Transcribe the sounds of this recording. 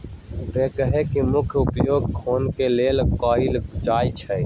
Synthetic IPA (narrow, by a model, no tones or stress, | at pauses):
ʋeːkəɦekimʊkʰjʊpjoːɡ̚kʰoːnkeleːlkɔːɪld͡ʒaːit͡ʃʰɛ